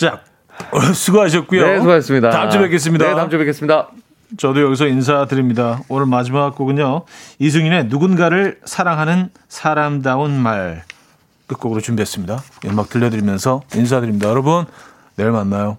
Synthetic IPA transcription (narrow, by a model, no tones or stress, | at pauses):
t͡ɕ͈ak̚ | sʰuɡuɦaɕ̬ʰʌt̚k͈ujoesuɡaes͈ɯmɲidatamt͡ɕʌbek̬͈es̬͈ɯmɲidaatamt͡ɕobek͈ʰːesɯmɲida | t͡ɕʌdojʌɡis̬ʰʌins̬ʰadɯɾimɲidaonɯɭmad͡ʑimaɡak͈oɡɯɲois̬ʰuŋine̞nuɡunɡaɾɯɭsʰaɾaŋɦanɯn | sʰaɾamdaonmaɭ | k͈ɯk̚k͈oɡɯɾot͡ɕumbiɦes͈ɯmɲidaimak̚t͈ɯʎːʌdɯɾimjʌnsʰʌins̬ʰadɯɾimɲidajʌɾʌbunː | e̞ɭmanːajo